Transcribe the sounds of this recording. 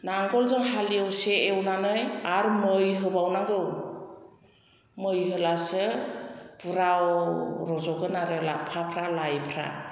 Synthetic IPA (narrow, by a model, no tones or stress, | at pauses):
naŋɡɔlzɯŋhalijɯwseewnanɯjaɾmɯjɦɯbawnaŋɡɯw | mɯjɦɯlasɯ | buɾawɾɔzɔɡɯnaɾɯlapʰapʰɾalajpʰɾa̰